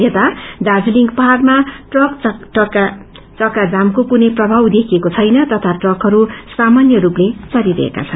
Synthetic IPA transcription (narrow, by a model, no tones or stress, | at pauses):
jet̪aɖad͡zliŋɡpʌɦarmaʈrʌkk | t͡sʌkad͡zamkokunʌjprʌbʱawd̪ekʰiekot͡sʰʌjnʌt̪ʌt̪ʰaʈrʌkɦʌɾusamanjʌɾuplet͡sʌɾiɾʌ̰ḛka̰t͡sʰʌn